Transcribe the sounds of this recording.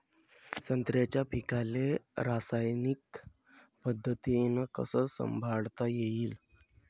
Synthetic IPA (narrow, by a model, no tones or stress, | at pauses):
sənt̪ɾjat͡ɕjapikaleɾasajnik | pəd̪ʱːət̪ienəkə̰səsə̰mbʱaɽt̪ajeiːl